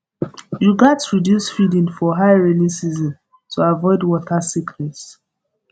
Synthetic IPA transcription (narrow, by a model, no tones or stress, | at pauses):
juɡatɹidjusfidĩŋfɔɦaɪɹilisizɔ̃n | tʰuavɔɪdwɔtʰasikʰɾɛts